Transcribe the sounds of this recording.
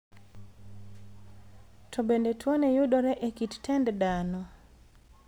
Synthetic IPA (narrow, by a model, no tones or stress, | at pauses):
tʰɔbendetʰwɔnejuɗɔɾɛʔekittɛnddanɔ